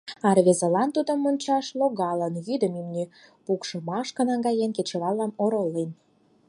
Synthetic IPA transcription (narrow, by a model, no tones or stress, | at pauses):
ɑrvezə̆lɑnt̪ud̪ə̆mːonʲt͡ɕɑʃloɣɑlənjyd̪əmimny | pukʃɤ̆mɑʃkə̆nɑŋɡɑjenket͡ɕĕlɑlːɑmoɾolːen